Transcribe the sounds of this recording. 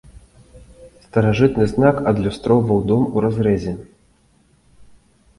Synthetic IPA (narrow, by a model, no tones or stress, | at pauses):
st̪ɐɾaʐɨt̪nɨznakɐd̪lʲust̪ɾɔwvɐwd̪ɔmuɾazɾɛzʲɛ